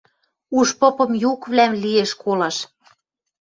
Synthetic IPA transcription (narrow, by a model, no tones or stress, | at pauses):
uʃpŏpɤ̆mjukβlæmlieʃkʰolɑʃ